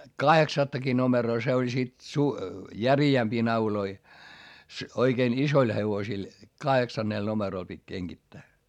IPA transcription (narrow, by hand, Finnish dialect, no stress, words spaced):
kɑheksɑtːɑki nomeroː se olʲ sit su jæriæmpiː nɑuloi oikein isoil heʋosil kɑheksɑnːeˑl nomeroˑl pitʲ keŋɡ̊itːæː